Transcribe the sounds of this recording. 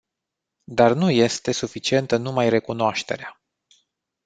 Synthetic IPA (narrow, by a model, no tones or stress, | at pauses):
d̪arnuje̞st̪e̞sufit͡ʃie̞nt̪ənumajre̞kunoaʃt̪e̞̰ɾea